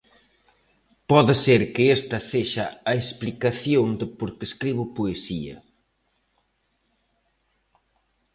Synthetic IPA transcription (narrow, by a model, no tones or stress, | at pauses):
pɔðɪseɾkɪest̪ɐseʃɐɐesplikaθjoŋd̪ɪpoɾkeskɾiβʊpoesiɐ̰